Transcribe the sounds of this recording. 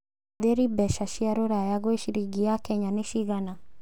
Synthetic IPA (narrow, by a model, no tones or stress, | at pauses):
ðeɾibɛʃaʃiaɾoɾajaɣweʃiɾiɡiakɛɲaneʃiɣana